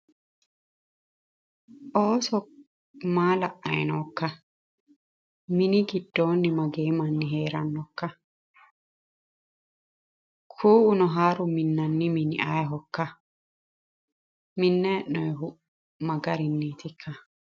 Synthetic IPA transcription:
ʔoːsɔ | maːlɐʔɐ̰jnɔːkːɐ | mɪnɪɡɪd̪̥ːoːnːɪmɐɡeːmɐnːɪɦeːɾɐnːɔkːɐ | kʰuːʔʊnɔɦaːɾʊmɪnːɐnːɪmɪnɪ̰ʔɐjɦɔkːɐ | mɪnːɛːʔnɔjɦʊ | mɐɡɐɾɪnːiːt̪ɪkʰːɐ

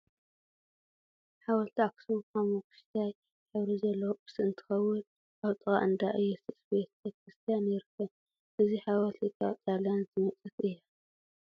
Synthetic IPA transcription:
ħawɐlt̪ʰaksumkʰamukʰɨ̥ʃt̪ʰaj | ħɨβɾizɐlːob̥ɨ̥sɨʔɨnt̪ʰɨ̥xɐwːʊn | ʔaβt̪ʼɨɣʼa̰ʔɨnd̪aʔɨjːusɨsbet̪bet̪̚kʰɾɨst̪ʰijanjɪɾɨkːɐn | ʔɨziħawɐlt̪ʰikʼat͡s̪ʼaljanzɨmɐt͡sʼɨk̪ʔɨjːa

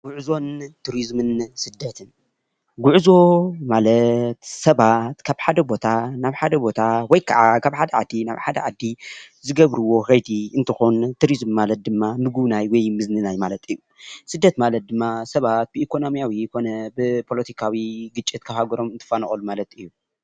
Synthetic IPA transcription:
ɡ̥uʕzo̞nt̪ʰuɾizmɨnsɨd̪ːɐt̪ʰɨn | ɡuʕzo̞malɐt̪sɐβat̪kʰaβħad̪ɐbo̞t̪ʰanaβħad̪ɐbo̞t̪ʰawɔjkʰɐ̰ʕakʰaβħad̪ɐʕad̪ːina̰βħad̪ɐ̰ʕa̰d̪ːi | zɨɡɐβɾɨwo̞xɐjd̪iʔɨnt̪ʰɨxont̪ʰuɾizmːalɐt̪̚d̪ɨmːanɨɡunajwɔjmɨznɨnajmalɐt̪ɨjːusɨd̪ːɐt̪malɐt̪̚d̪ɨmːasɐβat̪̚bɨʔikʰo̞nomjawikʰo̞nɐbɨpʰo̞lɐt̪ʰikʰawiɡɨt͡ʃʼːit̪kʰɐhaɡɐɾo̞mɨnt̪ʰɨ̥fanɐxʼɐlumalɐt̪ɨjːu

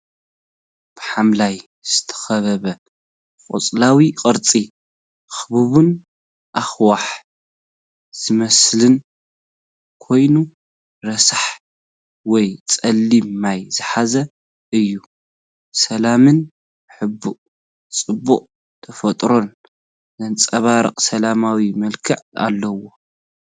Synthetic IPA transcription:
b̥ɨħamlaj | z̥ɨ̥t̪ʰɐ̥xɐβɐβɐ | kʼo̰t͡sʼlawiqʼɨɾt͡sʼi | xɨβuβun | ʔaxwaħ | z̥ɨmɐslɨn | kʰo̞jnu | ɾɐsaħ | wɔjt͡sʼɐlːimmːajzɨħazɐ | ʔɨjːu | sɐlamɨn | ħɨbːuʔʼ | t͡sʼɨbːuχʼ | t̪ʰɐfɐt̪ʼɾo̞n | zɐnt͡sʼɐβaɾɨ̰qʼsɐlamawimɐlkʰɨʕa̰lːɐwo̞

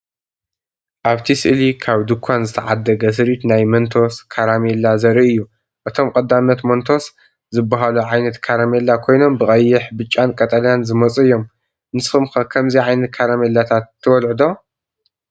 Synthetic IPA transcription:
ʔaβt̪ʰisɨʔɨlikʰaβd̪ɨkʷʰːanzɨt̪ʰɐʕad̪ɐɡɐs̬ɨɾit̪najmɐnt̪ʰo̞skʰaɾamelːazɐɾiʔɨjːu | ʔɨt̪ʰo̞mkʼɐd̪ːamnɐt̪mont̪ʰo̞s | zɨbːaɦaluʕajnɐt̪kʰaɾamelːakʰo̞jno̞mbɨkʼɐjːɪħbɨt͡ʃʼːankʼɐt̪ʼɐljanzɨmɐt͡sʼɨjːo̞m | nɨsɨxɨmkɐkʰɐmziʕajnɐt̪̚kʰaɾamelːat̪ʰat̪ʰːɨwɐlʕɨd̪o̞

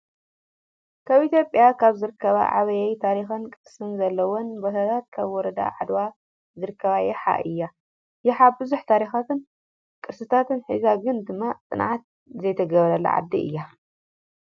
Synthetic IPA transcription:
kʰaβit̪ʰjopʼjakʰaβzɨɾɨkʰːɐβa̰ʕa̰βɐjɛjt̪ʰaɾixɐnkʼɨsɨnzɐlːɐwonbɐhɐt̪ʰat̪̚kʰaβwɔɾɐd̪a̰ʕad̪wa | zɨɾɨkʰːɐβajɛħa̰ʔʔɨjːa | jɛħabɨzuħt̪ʰaɾixat̪ɨn | kʼɨɾsɨt̪ʰat̪ʰɨnħizaɡɨnd̪ɨmːat͡s̪ʼɨnʕat̪̚ | zɐjt̪ʰɐɡɐβɐɾɐlːɐ̰ʕa̰d̪ːḭʔɨ̰jːa

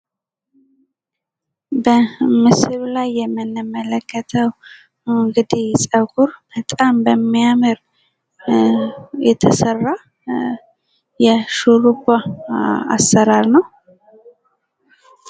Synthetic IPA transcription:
bəmɨsɨβlajːɛmːɨnːɨmːələkːət̪ʰəw | ɨŋɡɨd̪isʼəɡuɾb̥ət̪ʼambəmːijamɨɾ | jɛt̪ʰəsərːa | jɛʃuɾuɡa | a̰sːəɾaɾnəw

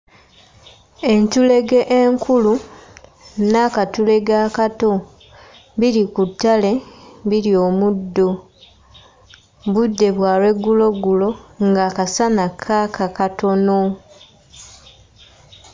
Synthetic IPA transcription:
e̞ɲcule̞ɡe̞ʔeŋkʰulu | nakatule̞ɡakato̞ | βiɾikutːale̞βiɾio̞ːmudːo | βudːe̞βwaːɾwe̞ɡːulo̞ɡulo̞ŋɡaːkasanakʰakʰakato̞no̞

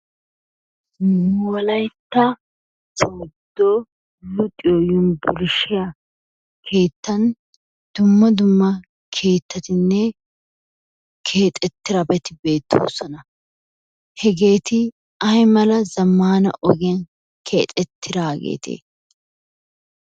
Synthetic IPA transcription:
wɔlɐjt̪ːɐ | t͡ʃoːd̪ːo | lʊt̪ʼɪjojʊnbʊlɪʃɪjɐ | kʰe̞ːt̪ːɐn | d̪̥ʊmːɐd̪ʊmːɐ | kʰe̞ːt̪ːɐt̪ɪnːɛ | kʰe̞ːt̪ʼɛt̪ːɪɾɐbɛt̪ɪbe̞ːt̪ːo̰ːsɔnɐ | hɛɡe̞ːt̪ɪ | ɐjmɐlɐzɐmːaːnɐ̰ʔɔɡɪjɐn | kʰe̞̰ːt̪ʼɛt̪ʰːɪɾaːɡḛːt̪ʰḛː

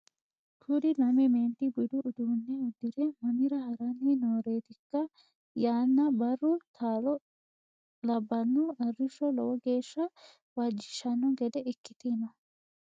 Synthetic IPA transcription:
t̪ʰud̪ɪnɐmɛmeːnt̪ɪbʊd̪ʊʔːd̪uːnːɛʊd̪ːɪd̪ɛmɐmɪɾɐhɐɾɐninoːɾe̞ːt̪ɪkːɐ | jaːnːɐbɐrːʊt̪ʰaːlɔ | lɐbːɐnːʊɐrːɪʃːɔlɔwɔɡe̞ːʃːɐ | waːd͡ʒːɪʃɐnːɔɡɛd̪ɛɪkːɪt̪ɪnɐ

